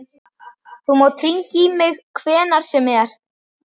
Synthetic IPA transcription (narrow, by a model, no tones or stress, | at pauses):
θumaːwt̪ʰɾiɲcimɪɣkʰvɛːnaɾ̥sɛmɛɾ̥